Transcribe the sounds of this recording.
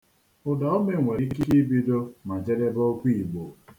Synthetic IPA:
ʊ˨da˨˦o˦me˨ŋʷe˨ɾi˦ki˦i˦bi˦do˦ma˨d͡ʒe˦ɾe˦bɔ˦kʷi˦i˨ɡ͡bo˨

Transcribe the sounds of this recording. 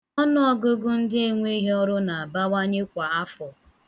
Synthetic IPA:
ɔ˦nʊ˦ɔ˦ɡʊ˦ɡʊ˦n̩˦dɪ˦e˨ŋʷe˦i˦ɦe˦ɔ˦ɾʊ˦na˨a˨ba˦wa˦ɲe˦kʷa˨a˦fɔ˨

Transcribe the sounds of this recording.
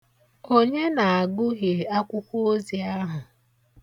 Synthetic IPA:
o˦ɲe˦na˨a˨ɡʊ˦ɦje˨a˦kʷʊ˦kʷo˦o˦zi˨a˦ɦʊ˨

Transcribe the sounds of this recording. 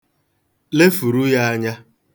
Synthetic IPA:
le˦fu˨ɾu˦ja˦a˦ɲa˦

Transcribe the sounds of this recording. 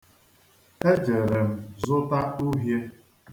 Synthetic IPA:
e˦d͡ʒe˨ɾe˨m̩˨zʊ˦ta˦u˦ɦje˦

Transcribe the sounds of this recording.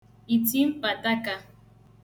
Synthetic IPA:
i˨ti˦m̩˦pa˨ta˦ka˦

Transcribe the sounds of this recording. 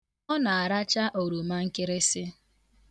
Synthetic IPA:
ɔ˦na˨a˨ɾa˦t͡ʃa˦ʔo˨ɾu˨ma˦ŋ̩˦kɪ˦ɾɪ˦sɪ˦

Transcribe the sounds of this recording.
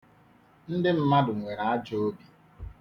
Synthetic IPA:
n̩˦dɪ˦m̩˦ma˦dʊ˨ŋʷe˨ɾa˨a˦d͡ʒo˦o˦bi˨

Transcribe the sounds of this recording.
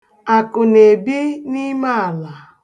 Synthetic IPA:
a˨kʊ˨ne˨be˦ni˦ma˦a˨la˨

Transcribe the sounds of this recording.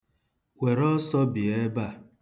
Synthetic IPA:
we˨ɾɔ˦sɔ˦bi˨e˦ba˦˨

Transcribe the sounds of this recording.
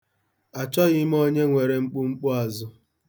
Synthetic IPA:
a˨t͡ʃɔ˦ɣɪ˦m˦o˦ɲe˦ŋʷe˨ɾe˨ŋ͡m̩˦k͡pu˦ŋ͡m̩˦k͡pʊ˦a˨zʊ˦

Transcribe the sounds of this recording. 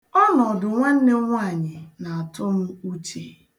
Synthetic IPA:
ɔ˦nɔ˨dʊ˨ŋʷa˦n̩˦ne˦ŋʷa˦˨ɲɪ˨na˨a˨tʊ˦m̩˦u˦t͡ʃe˦˨

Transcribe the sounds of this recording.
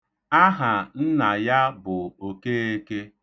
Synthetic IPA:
a˦ɦa˨n̩˦na˨ja˦bʊ˨o˨ke˦e˦ke˦

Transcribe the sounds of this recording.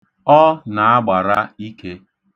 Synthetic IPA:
ɔ˦na˨a˦ɡ͡ba˨ɾa˦i˦ke˦

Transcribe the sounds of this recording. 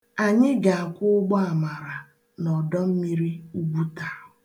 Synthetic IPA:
a˨ɲɪ˦ɡa˨a˨kʷʊ˦ʊ˦ɡ͡bɔ˦a˨ma˨ɾa˨ | nɔ˨dɔ˦m̩˦mi˦ɾi˦u˦ɡ͡bu˦ta˨˦ɦʊ˨

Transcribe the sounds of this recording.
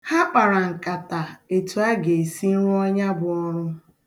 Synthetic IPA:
ha˦k͡pa˨ɾa˨ŋ̩˨ka˨ta˨e˨tu˨a˦ɡe˨e˨si˦n̩˦ɾu˦ɔ˦ɲa˦bʊ˨ɔ˦ɾ̃ʊ˦

